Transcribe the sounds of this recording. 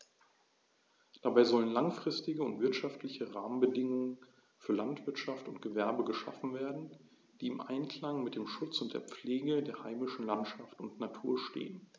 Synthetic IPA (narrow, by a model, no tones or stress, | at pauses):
d̥abaɪzɔlənlaŋfʁ̥ɪstɪɡəʊntv̥ɪɐtʃaftlɪçəʁaːmənbədɪŋʊŋən | fyːɐlantv̥ɪɐtʃaftʊntɡ̥əvɛɐbəɡəʃa̰fn̩veːɐdn̩ | d̥iːɪmʔa̰ɪnkl̥aŋmɪt̚d̥eːmʃʊt͡sʊnt̚d̥eːɐp͡fleːɡədeːɐhaɪmɪʃn̩lantʃaftʊntnatʰuːɐʃtḛːən